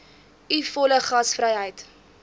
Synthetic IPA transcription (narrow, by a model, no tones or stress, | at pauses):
ifɔləχɐsfrəjɦəjt